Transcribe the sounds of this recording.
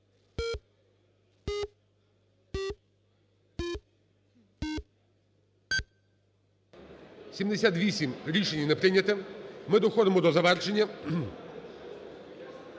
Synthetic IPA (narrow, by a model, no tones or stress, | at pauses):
sʲimd̪esʲat̪ʋʲisʲimɾʲiʃenʲːinɛpɾɪnʲɐt̪ɛmɪd̪ɔxɔd̪ɪmɔd̪ɔzɐʋɛrt͡ʃenʲːɐ